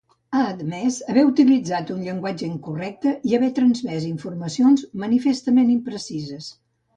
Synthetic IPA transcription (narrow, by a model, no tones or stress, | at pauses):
aːd̪mɛzəβɛut̪ilid͡zat̪unʎəŋɡwad͡ʒəiŋkurɛk̚t̪əʔiəβɛt̪ɾənzmɛziɱfurməsionzmənifest̪əmenimpɾəsizəs